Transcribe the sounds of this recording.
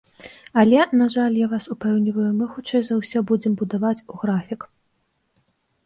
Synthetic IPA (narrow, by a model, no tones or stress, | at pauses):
ɐlʲɛnaʐalʲjavasupɛwnʲivɐjumɨxut͡ʂɛjzɐwsʲɔbud͡zʲɛmbud̪avat͡sʲuɣɾafʲik